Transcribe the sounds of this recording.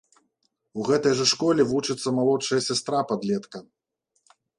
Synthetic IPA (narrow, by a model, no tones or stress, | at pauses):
uɣɛt̪ɐjʐɐʂkɔlʲɛvut͡ʂɨt̪sːɐmalˠɔʂɐjɐsʲast̪ɾapad̪lʲɛt̪kɐ